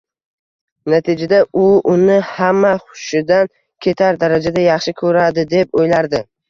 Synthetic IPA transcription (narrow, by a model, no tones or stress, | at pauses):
nat̪ʰɪd͡ʒad̪aʊʊnɪhamːaχʊ̥ʃɪd̪an | kʲʰe̞t̪ʰaɾd̪aɾad͡ʒad̪ajɑχʃɪkʰɵɾad̪ɪd̪e̞p̚ojlaɾd̪ɪ